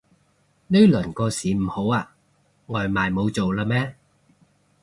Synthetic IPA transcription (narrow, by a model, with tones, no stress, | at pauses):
ne˥lœː˨˩nkɔː˧siː˨˥m̩˨˩ho˨˥waː˧ | ŋɔː˨˩jmaː˨˩jmo˨˧wt͡so˨wlaː˧mɛː˥